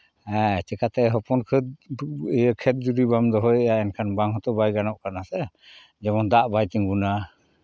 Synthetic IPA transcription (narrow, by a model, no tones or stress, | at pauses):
at͡ʃɛkat̪ɛɦɔpɔnkʰəd̪̚jəkʰɛt̪̚d͡ʒud̪ibamd̪ɔɦɔjɛjaɛnkʰanbaŋɦɔt̪ɔbajɡanɔʔkanasɛ | d͡ʒɛbɔnd̪aʔbajt̪iŋbuna